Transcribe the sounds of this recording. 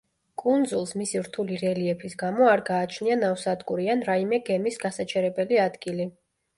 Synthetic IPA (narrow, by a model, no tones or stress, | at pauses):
kʼund̪zulˠsmisiɾt̪ʰuliɾɛliɛpʰisɡamɔaɾɡaːt͡ʃʰnianafsad̪ɡʼuɾianɾaimɛɡɛmisɡasat͡ʃʰɛɾɛbɛliad̪ɡili